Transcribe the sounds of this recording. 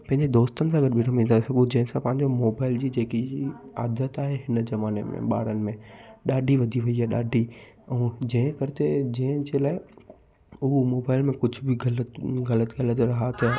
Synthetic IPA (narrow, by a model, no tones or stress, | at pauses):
pɐ̃ɦɪ̃ɲd͡ʑed̪oːst̪ənɪ̆s̬ãːɐɡəɾbɪɽəmĩːnd̪asɐɡod͡ʑɐ̃ɦɪ̃sãpɐ̃ɦɪ̃ɲ̆d͡ʑomoːbaːɪld͡ʑiːd͡ʑeːkiaːd̪ət̪aːɦeɦɪnzɐmaːnemḛ̃ɓa̰ːɽ̤ənɪ̆mẽɗaːɖʱiʋɐd̪ʱiʋɐiaɗaːɖʱi | ɛ̃ːd͡ʑɐ̃ɦɪ̃kɐɾɪt̪ed͡ʑɐ̃ɦɪ̃d͡ʑeːlaːɪ | ʊɦomoːbaːɪlmẽkʊd͡ʑʱʊbɪɡɐləɣɐlət̪ɡɐlət̪ɾɐɦat̪ɐ